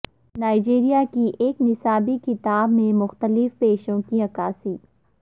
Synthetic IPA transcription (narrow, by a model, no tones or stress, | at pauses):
naːɪd͡ʒeːɾijakiʔeːknɪsaːbikɪt̪aːbmẽmʊxt̪əlɪfpeːʃõkiɐkaːsiː